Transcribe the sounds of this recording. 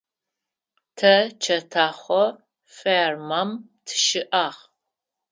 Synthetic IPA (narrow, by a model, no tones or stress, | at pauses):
tʰɐt͡ʃʰɐtʰaːχʷɔ | fermam | tʰɨ̥ʃɪʔaːʁ